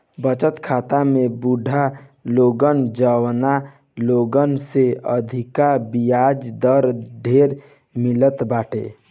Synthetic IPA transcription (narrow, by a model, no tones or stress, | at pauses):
bət͡ʃət̪kʰaːt̪amebuɖʱaloɡənd͡ʒəwna | loɡənseəd̪ʱikabijad͡ʒd̪əɾɖʱeɾ | milət̪baʈʰḛ